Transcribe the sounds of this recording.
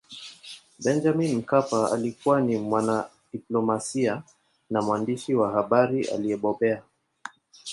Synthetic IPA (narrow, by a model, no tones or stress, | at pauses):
bɛnd͡ʒaminm̩kapaa̰likuwanimwana | ɗiplɔmasia | namwandiʃiwahaɓaɾiʔa̰liɛɓɔɓɛa